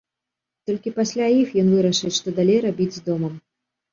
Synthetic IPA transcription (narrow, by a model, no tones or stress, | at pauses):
t̪ɔlʲkʲipasʲlʲajixjɔnvɨɾɐʂɨɛʂt̪ɔd̪alʲejɾabʲid͡zʲzd̪ɔmɐm